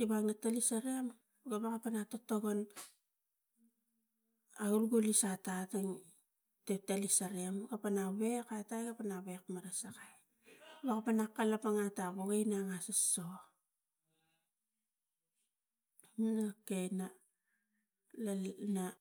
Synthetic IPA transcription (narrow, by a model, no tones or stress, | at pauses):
tibaŋnatalisaɾeam | ɡaβakapanatotoɡon | aɡulɡulisatataŋ | tetalisaɾeamɡapanaβe̞katajɡapanaβekmaɾasakaj | bakapanakːalapaŋataboɡajnaŋasaso | mnakena | lana